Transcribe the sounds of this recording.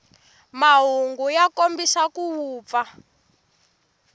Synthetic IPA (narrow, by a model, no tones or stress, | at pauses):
maɦuŋɡujakombisakuwuːp̪fa